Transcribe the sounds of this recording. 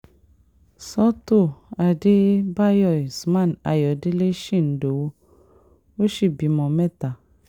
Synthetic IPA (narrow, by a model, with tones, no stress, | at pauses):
sɔ˦to˦˨a˨de˦ba˦jɔ˨sma˦˨na˨jɔ˨di˦le˦ʃi˦˨n̩˨do˨wo˦ | o˦ʃi˦˨bi˨mɔ˨mɛ˦ta˨